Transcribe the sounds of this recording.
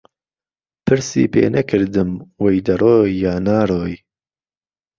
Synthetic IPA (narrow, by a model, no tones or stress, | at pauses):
pʰɨɾsḭːpḛːnɐkʰɨɾd̪ɨmwejd̪ɐɾoːjːaːnaːɾoːj